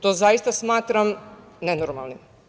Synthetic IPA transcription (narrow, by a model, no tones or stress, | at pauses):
t̪oːzaist̪asmaːt̪ɾam | nenoɾma̰lˠnim